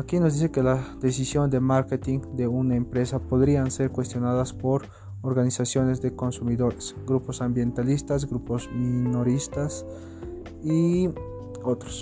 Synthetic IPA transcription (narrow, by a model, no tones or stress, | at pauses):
akino̞zd̪is̬ekelad̪esisjo̞nd̪emaɾket̪iŋd̪eunaempɾe̞sapoðɾianse̞ɾkwest̪jo̞naðaspoɾ | oɾɣanisasjo̞nezd̪eko̞nsumiðoɾesɡɾuposambjent̪alist̪az̬ɡɾupozminoɾist̪as | i | ot̪ɾo̥s